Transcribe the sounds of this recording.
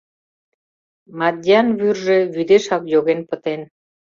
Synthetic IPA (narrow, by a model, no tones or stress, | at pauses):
mɑd̪ʲiɑnβyrʒeβyd̪eʃɑpjoɣenpə̆t̪en